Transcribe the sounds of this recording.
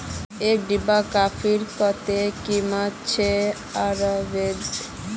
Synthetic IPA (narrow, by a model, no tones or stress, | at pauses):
eɖibakafʰiɾkɔt̪ekimat͡ɕʰe | aɾbed̪